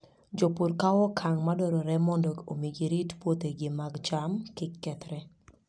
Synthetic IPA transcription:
d͡ʒɔpuɾkawɔkʰaŋmadɔɾɔɾɛmɔndɔo̰miɡiɾitpwot̪eɡɪmaɡd͡ʒamkɪkːɛt̪ɾɛ

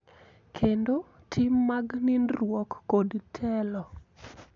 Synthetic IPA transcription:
kʰendo | tʰɪmːaɡnɪnɾwɔkːodtʰɛlɔ

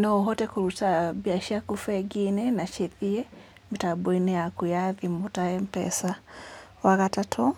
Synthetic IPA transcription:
nɔɦɔtɛkuɾusabiaʃiakufɛɡinɛnat͡ʃɛθiɛ | mitabɛnɛakujaðimutaɛm̩pɛ̰sa | wakatatʰɔ

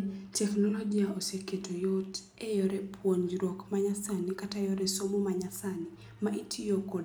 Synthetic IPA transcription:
tɛknɔlɔɡiaɔsɛketʰɔjɔt | ɛjɔɾɛpʰuɔnd͡ʒɾɔkmaɲasanikatajɔɾɛsɔmumaɲasani | maʔitʰijɔkɔd

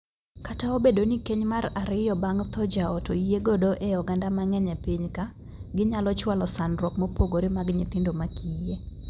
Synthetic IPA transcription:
kataobedonikeɲmaraɾɪjɔbaŋt̪ʰɔd͡ʒaɔtoijeɡodoʔɛjɔɡandamaŋɛɲɛpiɲka | ɡɪɲalɔt͡ʃwalɔsanrwɔkmopoɡoɾɪmaɡɲɪt̪ɪndomakʰije

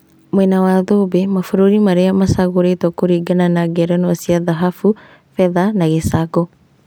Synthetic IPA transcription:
mwɛnawaðobemafoɾoɾimaɾeamasaɣoɾetwakoɾiɡananaɡɛɾɛnwasiaðaɦafu | fɛðanaɣesaɡɔ

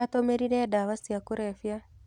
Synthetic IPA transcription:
atomeɾiɾɛdaːwasiakuɾɛfja

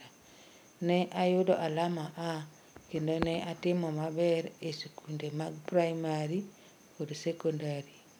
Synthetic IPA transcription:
a | neʔajudoʔalamaʔa | kendoneʔatimomaβeɾeesikundemaɡpɾaimaɾi | oɾisekondaɾi

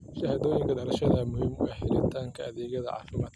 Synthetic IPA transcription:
ʃɐhaːðɔːjɪŋkʰɐd̪ɐɾɐʃɐðɐmʊhiːmwɛjħɪlɪnt̪ʰaːŋkʰɐʔɐðɛːɣɐðɐʕɑ̰ːfɪmaːd̪kɐ̥

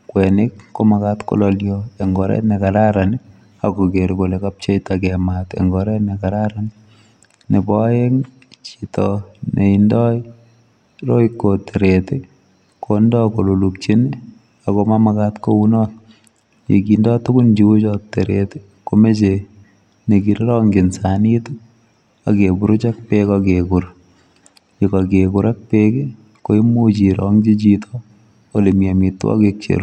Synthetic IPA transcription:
kwɛnɪkːomakatko̰lɔljɔeŋɡɔɾɛ̰nekaɾaɾani | akokeɾkolekap̚t͡ʃejtakɛmatḛŋɡɔɾɛnekaɾaɾani | nebɔjeŋ | t͡ʃitɔneindɔ | ɾoikːoteɾete | kondɔkololuk̚t͡ʃeni | akomamakatkounɔt | jḛkindɔtʊkʊnd͡ʒiut͡ʃɔteɾete̥ | komet͡ʃe | nekiɾɾɔŋɡensanit | a̰kebuɾut͡ʃak̚pekakekuɾ | jikakekuɾak̚peke | koimot͡ʃiɾʔɔŋt͡ʃit͡ʃitʰɔ | olemjamitːwɔ̰kek̚t͡ʃḛɾu

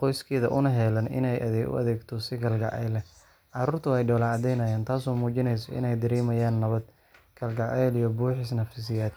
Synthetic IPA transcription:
qɔjskʰɛːðɐʔʊnɐɦɛlɐnɪ̰nɛjʔɐ̰ðɛːʊ̰ʔɐ̰ðɛːɡt̪ʰɔsɪkʰɐlɡɐ̰ʕʔɛ̰jlɛ | ʕɑɾuːrt̪ʰʊɛjɖɔːlɐʕɑd̪ɛjnɐjaːnt̪ʰaːsɔːmuːt͡ʃɪnɛjs̬ɔɪ̰nɛjd̪ɪɾiːmɐjaːnːɐβɐd̪̚ | kʰɐlɡɐʕʔɛjlijɔbuːħɪsnɐfɪs̬ɪjaːd̪̚

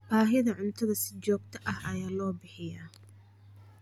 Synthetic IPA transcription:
b̥aːɦɪðɐʕʊnt̪ʰɐðɐsɪ̥t͡ʃɔːɡ̚t̪ʰɐʔɐhɐjaːlɔːbɪħɪjɐ

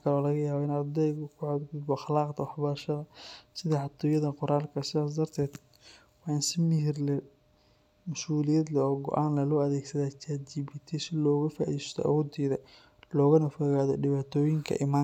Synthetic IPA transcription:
kʰɐlɔːlɐɣɐjaːβɐɪnɐd̪ɛjɣʊkʰʊʕad̪ɡʊd̪bɔɑxlaːqt̪ʰɐwɑħbɐɾʃɐðɐsɪðɐħɑt̪ʰɔːjɐðɐqʊɾaːlkʰɐsɪðaːs̬d̪ɐrt̪ʰɛːd̪ | wɑːɪnsɪmɪɦɪrlɛ | mʊsuːlɪjɐd̪lɛɔːɡɔ̰ʔaːnlɐlɔːɐðɛːɡsɐðaːt͡ʃaːd͡ʒibɪt̪ʰɛsɪlɔːɣɐfa̰ʔḭðist̪ʰɔ̰ɐ̰wɔːd̪ɛːðɐ | lɔːɣɐnɐfɔɣaːðɔɖɪβaːt̪ʰɔːjɪŋkʰɐ̰ʔɪma

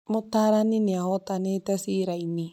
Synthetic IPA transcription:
motaɾanineahɔtanetɛsiɾaini

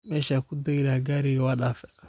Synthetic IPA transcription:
mɛʃakud̪oɡilaɡaɾiɡwaɗafɛ

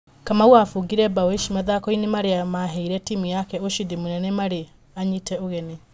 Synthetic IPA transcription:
kamauafuɡiɾɛbaweʃimaðakɔinemaɾeamaɦɛiɾɛtiːmujakɛoʃidimunɛnɛmaɾe | aɲitɛoɣɛne

